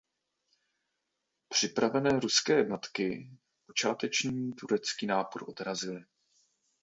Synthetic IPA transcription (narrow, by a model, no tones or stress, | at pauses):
pr̝̥ɪpɾavɛnɛːɾuskɛːjɛdno̞t̪kɪ | po̞t͡ʃaːt̪ɛt͡ʃɲiːt̪uɾɛt͡skiːnaːpoɾʔo̞̰d̪ɾazɪlɪ